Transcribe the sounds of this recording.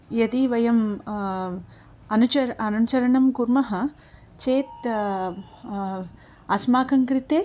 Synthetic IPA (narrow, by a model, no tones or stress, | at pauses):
jɐd̪iʋɐjɐm | ɐnut͡ʃɐɐnut͡ʃɐɾɐɳɐmkuɾmɐɦɐ̆ | t͡ʃeːt̪ | ɐsmaːkɐŋkɾit̪eː